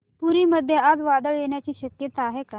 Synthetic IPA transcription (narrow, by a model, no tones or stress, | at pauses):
puɾiːməd̪ʱːjead͡zʋad̪əɭjeɳjat͡ɕiːɕəkjət̪aːɦeka